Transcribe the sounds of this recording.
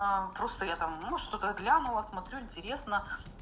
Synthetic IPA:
apɾo̞st̪əjat̪amnuʂt̪o̞t̪əɡlʲanʊlˠəsmɐt̪ɾʲuɪnʲtʲɪɾʲe̞snə

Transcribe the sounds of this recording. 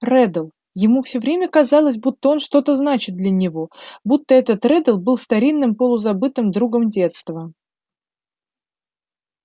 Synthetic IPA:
rɛd̪əlˠ | jɪmufsʲɵvɾʲemʲəkɐzɑlˠəs̬ʲbut̪ːəo̞nʂt̪o̞t̪əznat͡ɕɪt̪̚d̪lʲənʲɪvo̞but̪ːəɛt̪ət̪rɛd̪əlˠbɨlˠst̪ɐɾʲinːɨmpəlˠʊzɐbɨt̪ɨmd̪ɾuɡəmdʲe̞t̪st̪və

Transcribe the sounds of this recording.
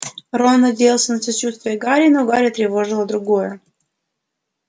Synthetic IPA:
ronːədʲelˠsʲənəsɐt͡ɕut̪st̪vʲɪjəɡɑɾʲinoɡɑɾʲət̪ɾʲɪvoʐɨlˠəd̪ɾʊɡojə

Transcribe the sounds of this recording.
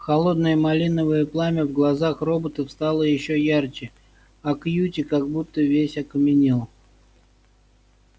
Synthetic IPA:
xɐlˠo̞d̪nəjəmɐlʲinəvəjəplˠamʲɪvɡlˠɐzaxro̞bət̪əfst̪alˠəjɪɕːojart͡ɕɪ | ɐkjutʲɪkaɡ̚but̪ːəvʲesʲɐkəmʲɪnʲilˠ

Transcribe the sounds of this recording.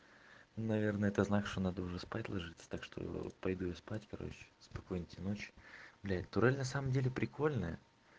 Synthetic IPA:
nunɐvʲe̞rnəɛt̪əznakʂt̪o̞nad̪əʊʐɛspatʲlˠɐʐɨt̪sə̥t̪akʂt̪o̰j̰pɐjd̪ujɐspatʲkɐɾo̰t͡ɕɪ̥spɐko̞jnʲɪtʲɪno̞t͡ɕɪ̥blʲætt̪ʊɾɛlʲnɐsaməmdʲelʲɪpɾʲɪkʰo̞lʲnəjə̰

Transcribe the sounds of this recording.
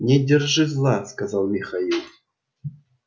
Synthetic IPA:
nʲedʲɪrʐɨzlˠɑskazɑlˠmʲɪxailˠ

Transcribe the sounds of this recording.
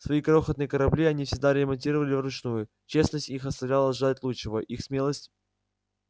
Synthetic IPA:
svɐikɾoxət̪nɨjkəɾɐblʲiɐnʲifsʲɪɡ̚d̪aɾʲɪmɐnʲtʲiɾəvəlʲɪvɾʊt͡ɕnujʊ | t͡ɕe̞snəsʲtʲixɐst̪ɐvlʲalˠəʐɨd̪ˠatʲlˠuɪvəʔixsmʲelˠəsʲtʲ

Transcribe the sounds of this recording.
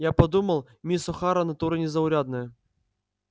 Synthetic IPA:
japɐd̪uməlˠ | mʲisʊxaɾɐnɐt̪uɾɨnʲɪzɐʊɾʲad̪nɨjə

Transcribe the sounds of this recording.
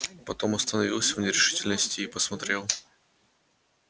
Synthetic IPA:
pɐt̪o̞mɐst̪ənɐvʲilˠsʲvnʲɪɾʲɪʂɨtʲɪlʲnəsʲtʲɪːpəsmɐt̪ɾʲelˠ

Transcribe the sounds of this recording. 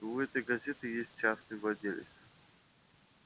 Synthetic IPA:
ʊɛt̪əjɡɐzʲet̪ʲɪjesʲt̚ʲt͡ʃasnɨjvlˠɐd̪ʲelʲɪ̰s

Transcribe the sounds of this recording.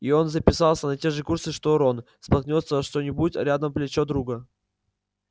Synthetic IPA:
io̞nzəpʲɪsɑlˠsʲənɐtʲe̞ʐɨkursɨʂt̪oɾon | spɐknʲot̪səʂt̪o̞nʲɪbutʲɾʲad̪əmplʲɪt͡ɕo̞d̪ɾuɡə

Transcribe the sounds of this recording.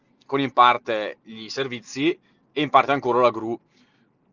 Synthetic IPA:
konimpart̪eʎiservit̪sːi | eimpart̪eaŋkoːɾalaɡɾu

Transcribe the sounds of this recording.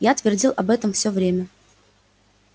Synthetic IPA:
jat̪vʲɪrdʲilˠʔɐbɛt̪əmfsʲovɾʲemʲə

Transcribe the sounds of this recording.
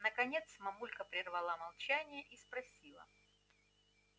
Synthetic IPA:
nəkɐnʲe̞t̪smɐmulʲkəpɾʲɪrvɐlˠamɐlˠt͡ɕænʲɪjəʔispɾɐsʲilˠə̰

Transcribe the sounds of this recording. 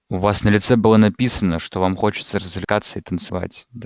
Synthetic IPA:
ʊvasnəlʲɪt̪sɛbɨlˠənɐpʲisənəʂt̪o̞vamxot͡ɕɪ̥t̪səɾəzvlʲɪkat̪sːəɪt̪ənt̪sɨva̰tʲd̪

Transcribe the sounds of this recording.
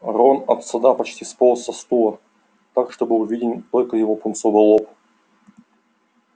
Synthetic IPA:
ɾonɐt̪sɐd̪apɐt͡ɕtʲispolˠsɐst̪ulˠə | t̪akʂt̪obɨʊvʲidʲɪnʲt̪olʲkəjɪvopʊnt̪sovɨlˠop

